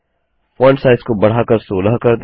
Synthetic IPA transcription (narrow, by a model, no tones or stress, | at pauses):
fɔ̃ːɳɖsaːɪskobɐɽ̤aːkəɾsoːləɦkɐɾd̪